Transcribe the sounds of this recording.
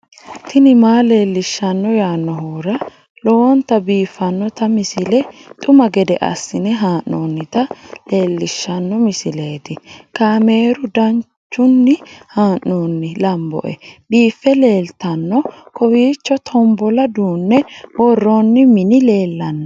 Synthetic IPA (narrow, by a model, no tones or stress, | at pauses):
t̪ʰɪnɪmaːle̞ːlːɪʃːɐnːɔjaːnːɔɦuːɾɐ | lɔwɔnt̪ɐbiːfːɐnːɔt̪ɐmɪsɪlɛt̪ʼʊmɐɡɛd̪ɛʔɐ̰sːɪnɛɦaːʔːoːnːɪt̪ɐle̞ːlːɪʃːɐnːɔmɪsɪle̞ːt̪ɪkaːme̞ːɾʊd̪ɐn | t͡ʃːʊnːɪhaːʔːoːnːɪlɐmbɔ̰ʔɛ̰biːfːɛle̞ːlt̪ɐnːɔkɔwiːt͡ʃːɔt̪ʰɔmbɔlɐd̪uːnːɛwɔrːɔnːɪmɪnɪle̞ːlːɐnːɔ